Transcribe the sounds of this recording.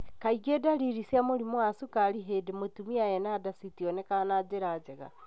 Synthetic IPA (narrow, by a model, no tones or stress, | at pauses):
kaiɡedaɾiɾisiamoɾimwasukaɾiɦedemwetumiajɛnadasitiɔnɛkanad͡ʒeɾaːd͡ʒɛɣa̰